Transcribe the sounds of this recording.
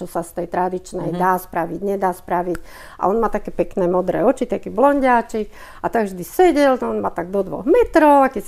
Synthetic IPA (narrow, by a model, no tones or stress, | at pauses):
ɔsast̪ɛjt̪ɾad̪it͡ʃnɛjd̪aːspɾaʋiɟɲɛd̪aːspɾaʋic | ʔa̰ɔnmaːt̪akɛːpɛknɛːmɔd̪ɾɛ̰ːɔt͡ʃit̪akiblɔɲɟaːt͡ʃik | at̪aɡvʒd̪isɛɟɛlɔɔnmat̪aɡ̚d̪ɔd̪ʋɔ̰ɣmɛt̪ɾɔʊakɛs